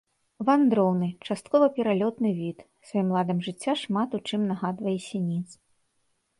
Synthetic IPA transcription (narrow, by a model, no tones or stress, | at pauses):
vand̪ɾɔwnɨt͡ʂast̪̚kɔvɐpʲɛɾalʲɔt̪nɨvʲit̪ | svajimlˠad̪ɐmʐɨt͡sʲːaʂmat̪ut͡ʂɨmnaɣad̪vɐjɛsʲɛnʲit̪s